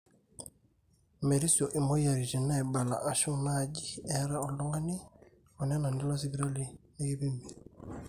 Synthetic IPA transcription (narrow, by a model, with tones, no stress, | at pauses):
me˨ɾi˦sjo˨ʔi˨mo˦ja˨ɾi˨d͡ʒi˨na˦ɛ˨ba˨la̰˨ʔa˨ʃu˦na˦˨ɟi˦ɛ˨˦ɾa˦ɔ˨lɔ˦ŋɡa˦ni˦ | ɔ˨nɛ˦na˨ndi˦lɔ˦s̬i˦bi˦ɾa˦li˦nɛ˦ɡi˦bi˦mbi˨